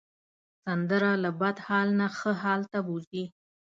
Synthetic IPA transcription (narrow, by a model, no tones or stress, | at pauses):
sand̪əɾalabad̪hɑlnaxəɦɑlt̪abuzi